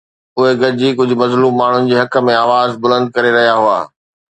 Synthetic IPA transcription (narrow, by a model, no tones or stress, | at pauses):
ʊɦeɡɐɾd͡ʑiːkʊd͡ʑʱʊ̆mɐzluːmːaːɳ̤ʊnɪ̆d͡ʑeːɦɐkə̆mẽaːʋaːzbʊlə̃nd̪̚kɐɾeɾɐɦijaɦʊa̰ː